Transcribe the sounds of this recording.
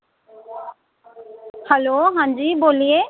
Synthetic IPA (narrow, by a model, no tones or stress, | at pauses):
hɛloɦãnd͡ʒibolie